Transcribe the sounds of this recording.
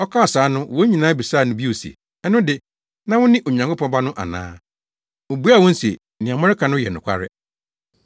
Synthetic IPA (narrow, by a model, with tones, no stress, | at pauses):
ɔ˦kʰã˦˨saː˨˦nʊ̃˦˨wɔ˦ɲĩ˨nãː˦bi˨saː˦˨nʊ̃˦bi˦o˨sḛ˨ | ɛ˦nʊ̃˦dɪ˨ | nã˦wʊ̃˦nɪ̃˦ʔo˨ɲã˨ŋkʰʊ˦pʰɔ̃˦bã˦nʊ̃˦ʔa̰˨nã̰ː˦ | o˨bu˦a˦˨wɔ̃˦n̩˦se˨ | nɪ̃˨a˨mɔ̃˦ɾɪ˦kʰã˨nʊ̃˦jɛ̰˨nʊ̃˨kʷʰa̰˦ɾɪ̰˦